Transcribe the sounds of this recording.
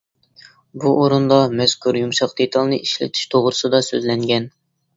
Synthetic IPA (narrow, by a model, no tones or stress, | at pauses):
buʔoɾund̪ɑmɛskʰuɾjumʃɑqd̪̥et̪ʰɑlˠnɨʔiʃlɪ̰t̪ʰi̥ʃt̪ʰoʁɾɨsɨd̪ɑsø̰zlɛŋɡʲɛn